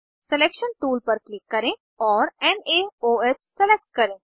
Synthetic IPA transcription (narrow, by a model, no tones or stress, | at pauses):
sɛleːkʃənʈuːlpəɾklɪkːəɾẽ | ɔːɾɛːneːoːeːt͡ʃsɛlek̚ʈkəɾẽː